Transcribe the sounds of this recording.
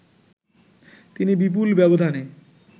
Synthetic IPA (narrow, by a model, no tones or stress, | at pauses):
t̪inibip̬ulbɛbod̪ʱane